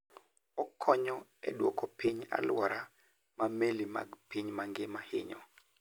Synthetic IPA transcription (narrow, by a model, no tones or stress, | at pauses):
ɔkʰɔɲɔɛ̰dwɔkɔpiɲa̰lwaɾa | mamelima̰ɡpiɲmaŋɡɪmahɪ̰ɲɔ